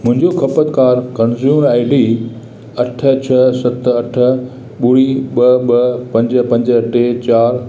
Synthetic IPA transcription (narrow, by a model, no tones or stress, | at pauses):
mʊ̃ɦɪ̃ɲd͡ʑokʰɐpət̪kaːɾkɐ̃nzjuːmɾaːɪɖiː | ɐʈʰə̆t͡ɕʰɐsɐt̪ɐʈʰə̆ | ɓuɽiɓɐɓɐpɐ̃ɲd͡ʑəpɐ̃ɲd͡ʑə̆ʈet͡ɕaːɾ